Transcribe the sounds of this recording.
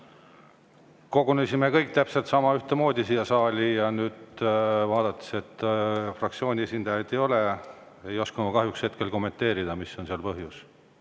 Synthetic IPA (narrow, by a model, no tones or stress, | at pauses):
ko̞ɡunesʲime̞kɤjk̚ˑt̪æpse̞lt̪sɑmɑyht̪emo̞ːd̪ʲisiːj̪ɑsɑːlʲijɑnyːd̪̥vɑːd̪̥ɑt̪ːˑi̥se̞t̪ːfrɑk̚t̪sio̞ːnʲie̞sʲind̪̥ɑjɑd̪̥ejo̞le̞ | e̞jo̞skunukɑɦjukshe̞t̪̚ke̞lko̞mːe̞nt̪e̞ːɾid̪̥ɑmisːo̞nseɑlpɤɦjus